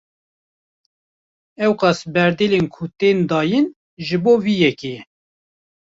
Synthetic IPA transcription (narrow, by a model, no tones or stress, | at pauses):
ɛwqɑsbɛɾd̪eːlenkʰut̪eːnd̪ɑːjin | ʒɨboːviːjɛke